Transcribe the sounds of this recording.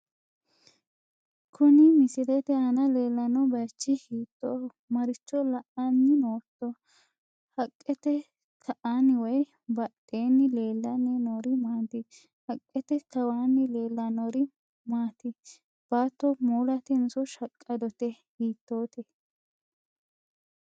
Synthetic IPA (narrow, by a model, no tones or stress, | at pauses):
kʰʊnɪmɪsɪdɛt̪ɛɐnɐleːlːɐnɔbɐt͡ʃːɪhiːt̪ːoː | mɐɾɪt͡ʃːɔlɐʔɐnːɪnoːt̪ːɔ | hɐkʼːɛt̪ɛ | tʰɐʔanɪwɔj | bɐɗʼeːnːɪleːlːɐnɛnɔɾɪmaːnt̪ɪ | hɐkʼːɛt̪ɛt̪ɐwaːnːɪle̞ːlːɐnɔɾɪ | maːt̪ɪ | b̥aːt̪ːɔmuːlɐt̪ɛnsɔʃɐkʼːɐd̪ɔt̪ɛ | hiːt̪ːoːt̪ɛ